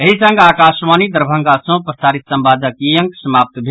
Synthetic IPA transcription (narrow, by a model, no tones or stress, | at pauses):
eɦisə̃ŋɡaːkasʋanid̪əɾbʱə̃ŋɡasə̃pɾəsaɾit̪səmbad̪əkijəŋksəmap̚t̪bʱe